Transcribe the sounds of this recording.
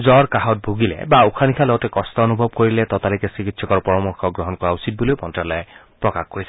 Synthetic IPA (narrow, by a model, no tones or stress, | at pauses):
zɔɹkaɦɔt̚bʱuɡilɛ̰baukʰanikʰalɔɡɔtɛkɔstɔonubʱɔbkoɹilɛtɔtalikɛsɹikitsɔkɔɹpɔɹɔmɔɹkʰɔɡɹɔɦɔnkɔɹausit̚bolojpɔntɹalɔjɛ | pɹɔkaxkoɹisɛ